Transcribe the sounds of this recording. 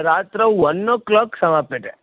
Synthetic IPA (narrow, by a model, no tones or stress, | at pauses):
ɾaːt̪ɾɐɔnːoklaːksɐmaːpeʈḛ